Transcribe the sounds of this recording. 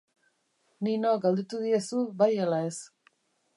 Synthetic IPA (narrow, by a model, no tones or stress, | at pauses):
ninoɡald̪et̪uð̞ie̞suβajalae̞s